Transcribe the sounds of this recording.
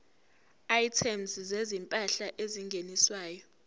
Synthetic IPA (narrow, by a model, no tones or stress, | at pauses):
ajtʰɛmszezimpʼaɬaʔeziŋɡʱeniswaːjɔ